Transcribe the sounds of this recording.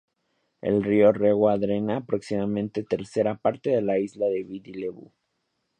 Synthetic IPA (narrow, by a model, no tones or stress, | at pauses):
ḛlrio̞reɣwaðɾenaːpɾoksimamẽnt̪e̞t̪e̞ɾse̞ɾapaɾt̪e̞ðe̞laizlaðe̞βid̪ileβṵ